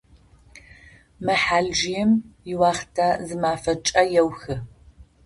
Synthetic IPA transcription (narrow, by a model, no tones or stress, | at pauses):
mɨħaːɮʒijɛmjɪwaːχtʰaːzɨmaːfɐt͡ʃʼɐjɛwxɨ